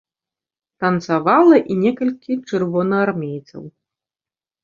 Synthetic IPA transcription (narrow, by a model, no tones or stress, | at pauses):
t̪ɐnt̪savalˠɐʔinʲɛkɐlʲkʲʰit͡ʂɨrvɔnɐarmʲejt̪sɐ̰w